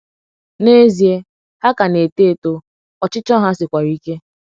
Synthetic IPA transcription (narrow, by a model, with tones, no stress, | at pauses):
ne˦zi˨e˦ | ha˦ka˨ne˨te˦˨to˦ | ɔ˨t͡ʃɪ˦t͡ʃɔ˦ɦa˦sɪ˨kʷa˨ɾi˦ke˦